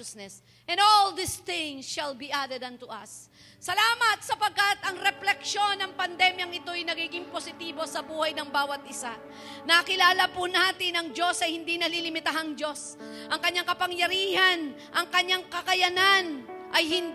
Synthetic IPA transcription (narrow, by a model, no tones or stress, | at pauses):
snɛs | ʔɛ̃nd̪old̪ɪsθɪ̃ŋsʃɐlbiʔad̪ɛd̪ɐnt̪ʊʔɐ̰sː | ɐlaːmɐt̪̚sɐpɐɡ̚kat̪ɐŋɾɛplɛkʃo̞nːɐŋpɐnd̪ɛmjɐŋɪt̪o̞ɐjnɐɡiːɡɪŋposɪt̪iːbo̞sɐbuːhɐjnɐŋbaːwɐt̪̚ʔɪsa | nɐkɪlaːlɐpʊnaːt̪ɪnɐŋd͡ʒo̞sɐjhɪnd̪inɐlilɪmɪt̪ɐɦaŋd͡ʒo̞s | ʔɐŋkɐɲːaŋkɐpɐŋjɐɾiːhɐn | ʔɐŋkɐɲːaŋkɐkɐjɐnanʔɐjhɪn